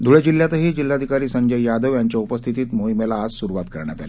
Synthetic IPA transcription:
d̪ʱuɭed͡ʑilːjat̪əɦiːd͡ʑilːad̪ʱikaɾiːsəŋɡʱəjjad̪əʋjaɲt͡ɕjaupəst̪ʰit̪iːt̪moimelaːd͡zsuɾuʋat̪kəɾɳja̰t̪a̰li

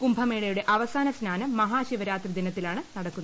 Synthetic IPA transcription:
kumbʱɐmeːɭɐjuɽe̞ʔɐʋɐsaːnɐsnaːnɐmːɐɦaːɕiʋɐɾaːt̪rɨd̪inɐt̪ːilaːɳɨnɐɽɐkːunː

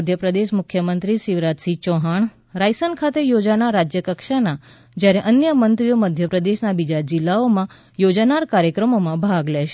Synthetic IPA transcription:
d̪ʱjəpɾəd̪eʃmʊkʰjəmənt̪ɾiʃiʋɾat̪sit͡ʃɔɦaɳ | ɾajsənkʰat̪ejod͡ʒanaɾad͡ʒjəkəkʃana | d͡ʒjaɾeʔənjəmənt̪ɾijoməd̪ʱjəpɾəd̪eʃnabid͡ʒad͡ʒɪlːaomã | jod͡ʒanaɾkaɾjəkɾəmomãbʱaɡleʃe

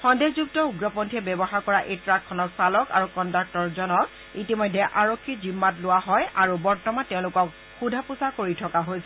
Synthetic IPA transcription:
xɔndezuk̚tɔuɡɹɔpɔntʰiɛbɛbɔxaɹkɔɹaʔetɹakʰːɔnɔtsalɔka̰ɹukɔndak̚tɔɹzɔnɔk̚ | itimɔjdʱɛʔaɹokʰːizimːatlʊwaɦɔjʔaɹubɔɹtɔmantɛʊ̃lʊkɔk | xudʱapusakoɹitʰɔkaɦojsɛ

